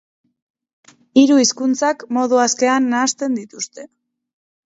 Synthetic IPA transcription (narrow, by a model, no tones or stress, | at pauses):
iɾuiskunt͡sakmo̞ðuaske̞anːaːst̪e̞nd̪it̪ust̪e̞